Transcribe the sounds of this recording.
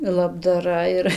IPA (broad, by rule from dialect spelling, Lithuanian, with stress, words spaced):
lˠɐbdɐˈrɐ ɪr